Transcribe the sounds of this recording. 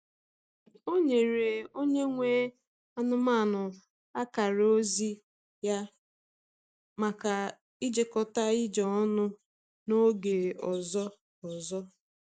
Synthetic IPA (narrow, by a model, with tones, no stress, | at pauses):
o˦ɲe˨ɾe˨o˦ɲe˦ŋʷe˦ | a˦nʊ˦ma˦˨nʊ˨ | a˦ka˨ɾo˦zi˦ | ja˦ | ma˨ka˨ | i˦d͡ʒe˦kɔ˨ta˦ɪ˦d͡ʒɔ˨ɔ˦nʊ˦ | no˦ɡe˨ɔ˨zɔ˦ | ɔ˨zɔ˦